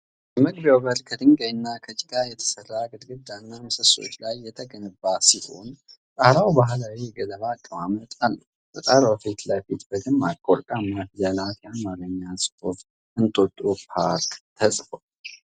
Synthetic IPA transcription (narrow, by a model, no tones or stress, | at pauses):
jɛməɡbjawbəlkʰəd̪ɨŋɡəɨnːakʰət͡ʃʼɪɡajɛt̪ʰə̥sərːaɡɨd̪ɡɨd̪ːanːaməsəso̞̰t͡ʃːlajːɛt̪ʰəɡənɨbːasiho̞̰n | sʼahlawbaɦlawijɛɡələβaːkʼːəmamət̪ʼalːə | sʼət̪ʼaɾofet̪lajfit̪bəd̪ɨmːakʼoɾkʼamːafjalat̪jaamaɾəɲːashof | ʔɨnt̪ʼot̪ʼupʰaɾkt̪ʰəsʼfo